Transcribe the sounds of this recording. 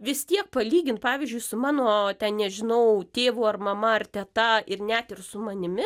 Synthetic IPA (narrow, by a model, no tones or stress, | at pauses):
ʋʲɪst̪ʲiɛk̚pɐlʲiːɡʲɪnt̪pɑːʋʲiɪzʲd͡ʒʲʊɪsʊmɑːnoːt̪ʲɛnnʲɛʒʲɪnɐʊt̪ʲeːʋʊːɐrmɐmɐɐrt̪ʲɛt̪ɐɪrnʲɛt̪ɪrsʊmɐnʲɪmʲɪ